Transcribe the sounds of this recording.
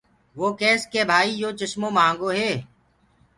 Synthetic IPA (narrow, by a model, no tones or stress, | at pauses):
ʋoːkeːskeːbʱaːiːd͡ʒoːt͡ʃəʃmõːmãːŋɡoːɦeː